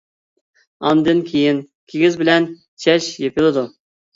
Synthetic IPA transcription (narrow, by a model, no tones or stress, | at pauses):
ɑmd̪ɨnkʲʰejɪn | kʲʰeɡʲizbɪlɛn | t͡ʃʰɛʃjepʰɪlˠɨd̪u